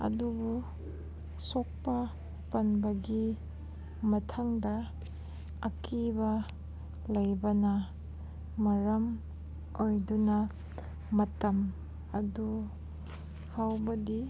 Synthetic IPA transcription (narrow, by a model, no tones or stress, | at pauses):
ɐ̰dubu | sok̚pɐ | pɐnbɐɡi | mɐtʰaŋdɐː | kibɐ | lɐjbɐnɐ | mɐɾɐm | ojdunɐ | mɐtɐm | ɐdu | hʰawbɐdi